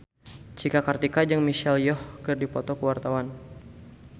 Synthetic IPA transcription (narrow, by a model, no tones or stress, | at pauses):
t͡ʃikakart̪ikad͡ʒɨŋmiʃɛljɔhkɨrdipɔt̪ɔkəwart̪awan